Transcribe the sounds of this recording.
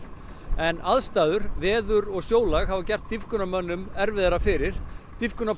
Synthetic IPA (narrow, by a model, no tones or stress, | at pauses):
ɛnaðst̪aːðʏɾ̥vɛːðʏɾɔɣsjoːwlaɣɦavacɛr̥t̪ːifkʏnamœnːʏmɛɾvɪðaɾafɪɾɪɾ̥t̪ifkʏna